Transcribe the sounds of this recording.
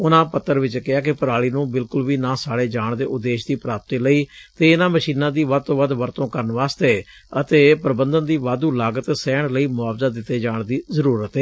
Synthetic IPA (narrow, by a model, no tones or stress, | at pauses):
ʊnãːpət̪ːəɾʋɪt͡ʃkɪaːk̬ɪpəɾaːɭiːnũːbɪlkʊlʋiːnãːsaːɽeːd͡ʒaːɳd̪eːʔʊd̪eːʃd̪iːpɾaːp̚t̪iːləiːt̪eːɪnãːməʃiːnãːd̪iːʋəd̪̚t̪oːʋəd̪ʋəɾt̪õːkəɾənʋaːst̪eː | ət̪eːpɾəbənd̪ənd̪iːʋaːd̪uːlaːɡət̪sɛːɳləiːmʊaːʋzaːd̪ɪt̪ːeːd͡ʒaːɳd̪iːzəɾuːɾət̪eː